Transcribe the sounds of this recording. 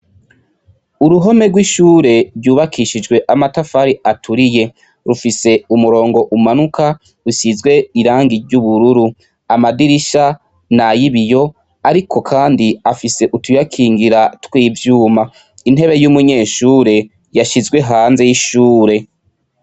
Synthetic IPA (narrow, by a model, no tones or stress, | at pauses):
uɾuɦo̞me̞ɾɡwiʃuːɾe̞ɾɟuːβakʰiʃid͡ʒɡwe̞ʔamatafaɾiatʰuɾije̞ | ɾufise̞umuɾo̞ːŋɡo̞ʔumanukʰa | ɾusizɡwe̞iɾaːŋɡiɾɟuβuɾuɾu | amadiɾiʃa | najiβijo̞ | aɾikʰo̞kʰaːndiafise̞ʔutujakʰiːŋɡiɾatwiːvjuːma | in̥e̞βe̞jumuɲe̞ːʃuːɾe̞ | jaʃizɡwe̞ɦaːnze̞jiʃuːɾe̞